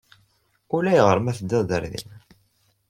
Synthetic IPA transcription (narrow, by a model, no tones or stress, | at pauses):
ulæjʁəɾˤmæθəd̪ːæðə̰ɾðḭn